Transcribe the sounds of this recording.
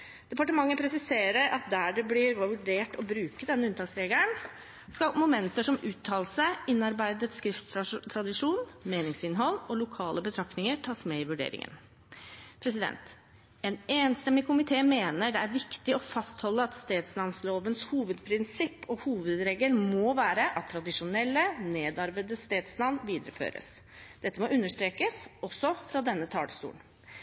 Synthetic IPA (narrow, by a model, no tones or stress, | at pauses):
d̪̥ɛpɑʈəmɑŋːəpʰɾɛsɪseːɾəɾɑt̪̚d̪æːɖɛblɪɾʉɖeːʈɔbɾʉːkəd̪ɛnːəʉnt̪ʰɑːksɾeːɡləɳ | skɑmʊmɛnt̪əʂɔmʉːt̪ʰːɑːlsəɪnːɑɾbæɪd̪ət̪skɾɪft̪t̪ʰɾɑd̪ɪʂuːnmeːnɪŋsɪnɦɔlːɔlʊkʰɑːləbət̪ʰɾɑkt̪nɪŋəʈʰɑːsmɛɪʋʉɖḛːɾɪ̰ŋə̰n | pʰɾɛsɪd̪ɛ̰nt̪ | ɛneːnst̪ɛmːɪkʰʊmɪt̪ʰeːmeːnəɖɛæɾʋɪkt̪ɪɔfɑst̪hɔlːəɑt̪st̪eːd̪slɑnsloːʋənshuːʋəd̪pʰɾɪnsɪpːɔhuːʋəd̪ɾeːɡəlmɔːʋæːɾəʔɑt̪t̪ʰːɾɑd̪ɪʂʊnɛlːəneːd̪ɑɾbəd̪əst̪eːd̪slɑnʋiːd̪əɾəfø̰ːɾə̰s | d̪̥ɛt̪ːəmɔʉnːəʂt̪ɾeːkəsɔsːɔfɾɑd̪ɛnːət̪ʰɑ̰ːləst̪ṵːn